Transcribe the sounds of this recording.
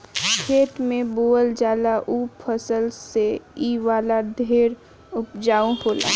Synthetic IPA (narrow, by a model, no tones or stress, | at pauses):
kʰeːʈmẽboːəld͡ʒaːlaʔuːppʰəsəlseiːʋaːlad̪ʱeːɾ | ʊpd͡ʒaːũɦoːla̰ː